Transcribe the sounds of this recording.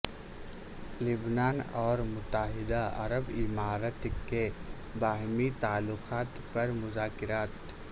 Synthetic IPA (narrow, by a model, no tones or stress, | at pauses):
lʊbnaːnɔːɾmʊt̪ːəɦɪd̪aɐ̰ɾəbɪmaːɾət̪ke | baːɦmit̪aːlːʊqaːt̪pɐɾmʊzaːkɪɾaːt̪